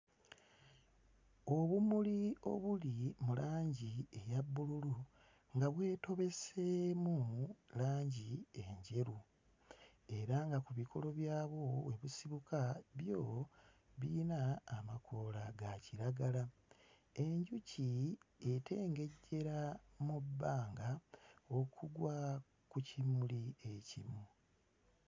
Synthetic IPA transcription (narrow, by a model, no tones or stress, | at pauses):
o̞βumulio̞̰βulimulaːɲɟiejabːululu | ŋɡaβwe̞ːto̞βe̞semulaːɲɟieɲɟe̞ɾu | e̞ɾaŋɡakuβikʰo̞̰lo̞βjaːβo̞weβusiβukaβjo | βinaːmakʰo̞laɡaciɾaɡala | e̞ɲɟucietʰe̞ːŋɡe̞ɟːe̞ɾamubːaːŋɡao̞kʰuɡwa | kucimulie̞cimu